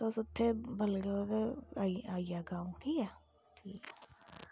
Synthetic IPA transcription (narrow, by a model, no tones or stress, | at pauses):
t̪osʊt̪ʰːebəlɡeot̪eaːijaːɡãːũʈʰiːkɛː | ʈʰiːkɛ